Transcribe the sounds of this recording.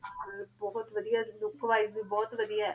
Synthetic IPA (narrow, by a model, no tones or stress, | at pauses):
bɔːʊt̪ʋəd̪ijaːlʊkʋaːizbiːbɔːt̪ʋəd̪ija